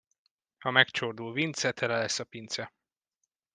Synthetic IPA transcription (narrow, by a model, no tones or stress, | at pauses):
hɒmɛkt͡ʃord̪uːlvint̪sɛt̪ʰɛlɛlɛsːɒpint̪sɛ